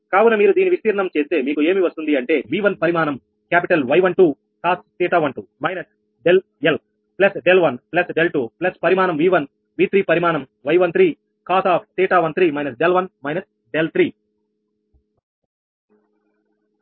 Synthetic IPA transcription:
kaːʋunɐmiːɾud̪iːniʋist̪iːɾɐɳɐmt͡ʃe̞ːst̪e̞ːmiːkue̞ːmiʋɐst̪und̪iɐɳʈe̞ːʋiːʋɐnpɐɾimaːnɐm | kjaːp̬iʈɐlʋɐjʋɐɳʈuː | kaːst̪eːʈaːʋɐɳʈumɐjnɐs | ɖel | el | plɐsɖelʋɐnplɐsɖelʈuːplɐspɐɾimaːnɐmʋiːʋɐn | ʋiːt̪ɾiːpɐɾimaːnɐm | ʋɐjʋɐnt̪ʰɾiː | kaːsaːp̚ʰtiːʈaːʋɐnt̪ɾiːmɐjnɐsɖelʋɐnmɐjnɐs | ɖelt̪ʰɾiː

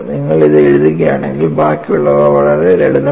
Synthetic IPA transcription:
niŋːɐɭiðeɻuðik̬ːɐjaːɳeŋɡilbaːkːijuɭːɐʋɐʋɐɭɐɾeɾeɽuðɐ

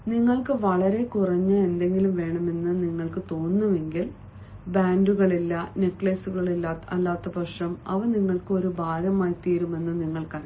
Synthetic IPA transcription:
niŋːɐɭkɨʋɐɭɐɾe̞kurɐɲːɐe̞nd̪e̞ŋɡilumʋe̞ːɳɐme̞nːɨniŋːɐɭkɨt̪o̞ːnːuʋe̞ŋɡil | baːnduɣɐɭilːɐne̞kːɭɐsuɣɐɭilːaːt̪ɐlːaːt̪ːɐbɐʂɐmɐ̰ʋɐniŋːɐɭkɨo̞ɾubʱaːɾɐmaːjt̪iːɾume̞nːɨniŋːɐɭkɐð

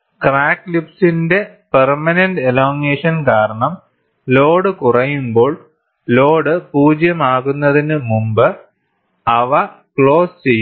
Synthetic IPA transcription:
kraːkːlipsinde̞permɐnenɖelo̞ːŋeʂɐnkaːɾɐɳɐm | lo̞ːɽɨkurɐjumbo̞ːɭ | lo̞ːɽɨpuːd͡ʑjɐmaːɣunːɐðinɨmumbɨ | ɐʋɐ | kɭo̞ːst͡ɕe̞jːu

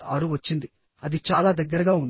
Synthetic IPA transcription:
ɐːɾuʋɐt͡ʃːind̪i | ɐd̪it͡ʃaːlaːd̪ɐɡːɐɾɐɡaːun

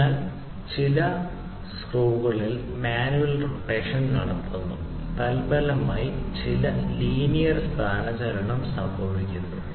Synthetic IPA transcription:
al | t͡ɕilɐ | skruːɣɐɭil | maːnuʋɐlroʈːeːkʂɐnnɐɽɐt̪ʰːunːṵ | t̪ɐlbɐlɐmaːjit͡ɕilɐliːnijɐrskaːɳɐd͡ʑɐɾɐɳɐmsɐmbʱɐʋikʲːunːu

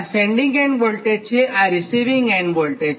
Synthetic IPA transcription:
sẽɳɖĩŋɡẽnbolʈet͡ɕʰeʔaɾisiʋiŋɡenbolʈe

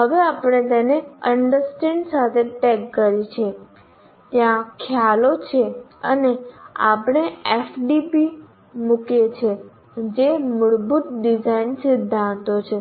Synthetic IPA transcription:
ɦəʋeapɽ̃et̪eneəɳɖəɾsʈiɳsat̪ʰeʈekːəɾit͡ʃʰe | t̪jãkʰjalot͡ʃʰeə̰nea̰pɳ̃eefɖibi | mukjet͡ʃʰe | d͡ʒemʊɽbut̪̚ɖid͡ʒainsɪd̪ʱːãnt̪ot͡ʃʰe

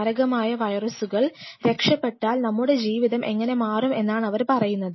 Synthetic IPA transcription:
ɐɾɐɣɐmaːjɐʋɐjrɐsuɣɐɭɾe̞kʂɐpːe̞ʈːaːlnɐmːuɽe̞d͡ʑiːʋiðɐmʔe̞ŋːɐne̞maːrume̞nːaːɳɐʋɐɾpɐrɐjunːɐðɨ

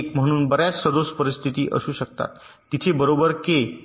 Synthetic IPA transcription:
km̤əɽ̃uːnbəɾjat͡ssəd̪ospəɾist̪ʰit̪iːʔə̰suːɕək̚t̪a̰t̪ː | it͡ɕʰebəɾobəɾke

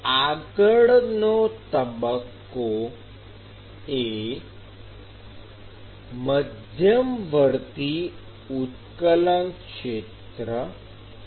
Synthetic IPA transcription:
aɡəɽnot̪əbəkː | o | e | məd̪ʱjəmʋəɾt̪i | ut̪kələnkʂet̪ɾə

